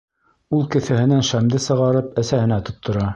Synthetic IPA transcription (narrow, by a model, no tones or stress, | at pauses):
ulˠkɘ̆θæhɘ̆nænʃæmd̪ɘsɤ̆ʁɑɾɤpæsæhɘ̆næt̪ŏt̪ʰːŏɾɑ